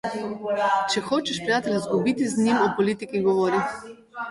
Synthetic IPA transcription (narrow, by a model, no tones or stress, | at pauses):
t͡ʃɛxoːt͡ʃɛʃpɾijaːt̪ɛlʲazɡubit̪iznʲimɔpɔliːt̪ikiŋɡɔʋɔɾi